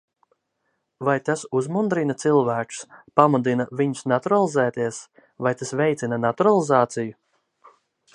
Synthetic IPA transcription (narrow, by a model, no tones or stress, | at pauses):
vajt̪asuzmund̪ɾinat̪silˠvæːkspamud̪inaviɲʊsnat̪uɾalˠizɛːt̪iɛs | vajt̪asvɛjt̪sinanat̪uɾalˠizaːt̪siju